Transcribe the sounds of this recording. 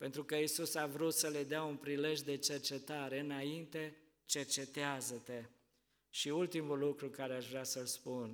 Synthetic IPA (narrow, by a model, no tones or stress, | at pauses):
pent̪ɾukəisusavɾut̪səle̞d̪eaunpɾile̞ʒd̪e̞t͡ʃe̞rt͡ʃe̞t̪aɾe̞ɨnaint̪e̞ | t͡ʃe̞rt͡ʃe̞t̪eazət̪e̞ | ʃiult̪imulːukɾukaɾeaʃvɾeasəlspun